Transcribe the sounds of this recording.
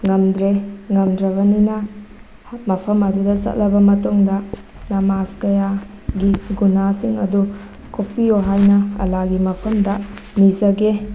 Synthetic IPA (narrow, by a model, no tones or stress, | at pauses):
ŋɐmdɾeŋɐmdɾɐβɐninɐ | mɐpʰɐmɐdudɐsɐ̰t̚lɐbɐmɐtoŋdɐ | nɐmaskɐja | ɡiɡunasiŋɐ̰du | kʰopːioɦajnɐɐ̰laɡimɐpʰɐmdɐ | nizɐɡe